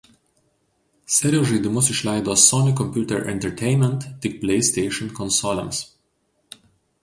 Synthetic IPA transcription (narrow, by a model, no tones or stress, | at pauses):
sʲɛɾʲioːʒɛɪd̪ʲɪmʊs̬ɪʃlʲæɪd̪oːsɔnʲikɔmʲpʲjuːt̪ʲɛɾʔɛ̰̃nt̪ʲɛɾt̪ʰʲɛɪnmʲɛ̃nt̪ːʲɪk̚pʲlʲɛɪsʲt̪ʲɛɪʃɔnkɔnsɔlʲɛ̰̃ms